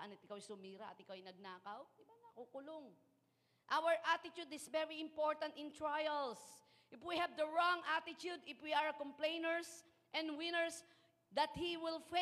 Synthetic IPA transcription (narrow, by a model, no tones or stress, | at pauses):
ʔɐnɐt̪ɪkawajsʊmiːɾaʔɐt̪ɪkawɐjnɐɡ̚naːkawd̪ɪbanɐkukʊloŋ | ʔawəɹʔat̪ɪt̪ud̪ɪsvɛɹiɪ̃mpoɹt̪ɐ̃nt̪ɪ̃nt̪ɹajɛls | ʔɪfwihɛvd̪əɹɔ̃ŋʔat̪ɪt̪jud̪ɪfwiaɹkɔ̃mplẽjnɛɹs | ʔɛ̃nd̪wɪ̃nəɹs | d̪ɐt̪̚hiwɪlf